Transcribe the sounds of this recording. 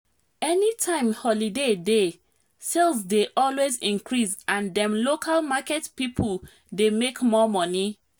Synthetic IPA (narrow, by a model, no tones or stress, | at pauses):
ɛnitʰãɪ̃mhɔlidede | selˠzdeʔɔlwezĩŋnkɹisãndɛ̃mlokʰalmakɛtpipʰəl | demekmɔmɔni